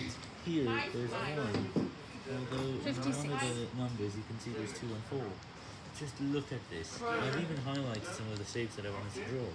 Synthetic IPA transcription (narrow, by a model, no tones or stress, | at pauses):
hiɹðəzamɪ̃ | ɔlˠðoʊ̃wʌ̃nʌvðənʌ̃mbə˞zjɨkʰɨ̃nsiðoʊz̥tʰʉə̃nfɔɹ | d̥ʒ̥ʌstˡlʊkɨt̪̚ðɪ̰sãɪvivɨ̃nɦaɪlaɪtsʌ̃mʌvðəseɪkzðəɾaɪvwɑ̃ñɨd̚tʰɨdɹɔː